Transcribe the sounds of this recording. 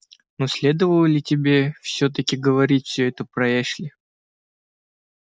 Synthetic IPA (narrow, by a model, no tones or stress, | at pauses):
nosʲlʲe̞d̪əvəlˠəlʲɪtʲɪbʲe̞fsʲɵt̪̬əkʲɪɡəvɐɾʲitʲfʲsʲɵɛt̪əpɾɐeʂlʲɪ